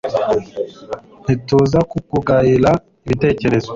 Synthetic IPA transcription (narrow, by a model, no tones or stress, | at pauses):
nituːzakukuɡaɾiɾa | iβite̞ːce̞ɾezwa